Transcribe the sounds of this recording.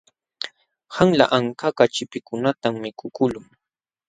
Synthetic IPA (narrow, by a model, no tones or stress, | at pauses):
haŋla̰ʔaŋkakat͡ʃɪpɪkʊnat̪amːɪkʊkʊlʊŋ